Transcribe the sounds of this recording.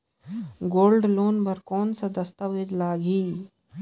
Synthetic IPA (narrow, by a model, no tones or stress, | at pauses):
ɡoːlɖloːnbɐɾkoːnsɐd̪ɐst̪aʋed͡ʒlaːɡʱiː